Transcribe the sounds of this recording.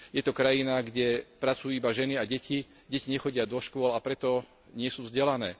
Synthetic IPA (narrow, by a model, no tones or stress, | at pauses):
jɛt̪ɔkɾajinaɡɟɛpɾat͡sujuːibaʒɛniaɟɛci | ɟɛciɲɛxɔɟɪad̪ɔʃkʊɔlapɾɛt̪ɔ | ɲɪɛsuːvzɟɛlanɛː